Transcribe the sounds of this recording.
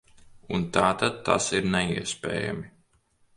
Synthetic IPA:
unt̪aːt̪ad̪̚t̪ːa̰siɾnɛḭɛspʲɛ̰ːja̰mi

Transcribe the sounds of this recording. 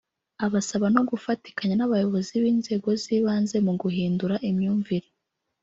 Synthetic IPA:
aβasaβano̞ɡufati̥kaɲanaβajo̞βo̞ziβiːnze̞ːɡo̞ziːβaːnze̞muɡuɦiːnduɾaʔimɲuːɱviɾe

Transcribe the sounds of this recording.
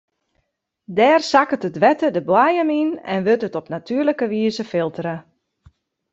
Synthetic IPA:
dɛːrsakətədʋɛtədəbwajəminɛ̰nʋøtətɔpnatʰyərləkəʋiəzəfɪlˠtərə

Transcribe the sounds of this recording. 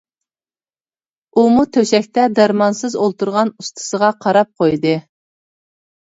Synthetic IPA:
umut̪ʰøʃɛkʲt̪ɛd̪æɾmɑnsɨzolˠt̪uɾʁɑnust̪ʰɨ̥səʁɑqʰɑɾɑp̚qʰojd̪ɨ

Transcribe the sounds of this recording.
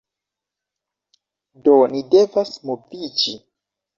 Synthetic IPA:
donide̞vasmovid͡ʒi

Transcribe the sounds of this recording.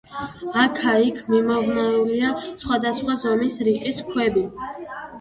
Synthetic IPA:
akʰaikʰmimɔvnɛuliasχwad̪asχwazɔmisɾiqʼiskʰwɛbi

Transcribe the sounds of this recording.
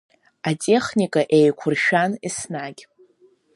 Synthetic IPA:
atʼe̞χnʲikʼaʔejkʷʰʊrʃᶣanisnaɡʲ

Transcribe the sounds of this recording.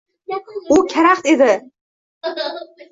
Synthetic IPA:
ʊkʲʰaɾaχt̪ed̪ɪ

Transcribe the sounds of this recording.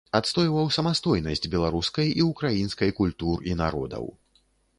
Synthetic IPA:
at̪st̪ɔjvɐwsɐmast̪ɔjnɐsʲd͡zʲbʲɛlˠaɾuskɐjiukɾajinskɐjkulʲt̪urina̰ɾɔ̰d̪ɐ̰w

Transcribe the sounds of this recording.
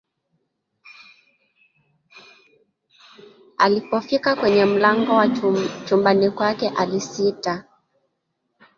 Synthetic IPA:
a̰lipɔfikakwɛɲɛm̩laŋɡɔwat͡ʃumbanikwakɛʔalisita

